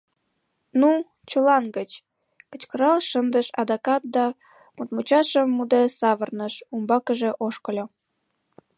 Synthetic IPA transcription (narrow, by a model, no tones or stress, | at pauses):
nu | t͡ɕəlɑnɡət͡ɕ | kə̥t͡ɕkəɾɑlʃənd̪əʃɑ̰d̪ɑkɑt̪̚d̪ɑ | mut̪̚mut͡ɕɑʃəmːud̪esɑβərnəʃumbɑkəʒeʔoʃkəlʲo